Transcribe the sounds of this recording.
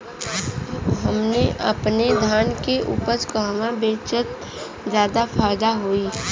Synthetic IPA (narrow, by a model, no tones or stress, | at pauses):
ɦəmneʔə̰pned̪ʱaːnkeʔṵːpəɾskaːʋãbeːt͡ʃət̪̚ | zjaːd̪afʰaːjd̪aɦoiː